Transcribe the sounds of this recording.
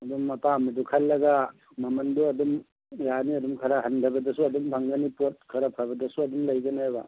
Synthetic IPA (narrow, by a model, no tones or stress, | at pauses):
ɐdumːɐpamɐdukʰalːɐɡa | mɐmɐnduɐdum | janiɐdumkʰɐɾaɦɐndʱɐbɐdɐsuɐdumbʰʱaŋɡanipot̚kʰɐɾapʰabɐdɐsuɐdumlɐjɡɐnajba̰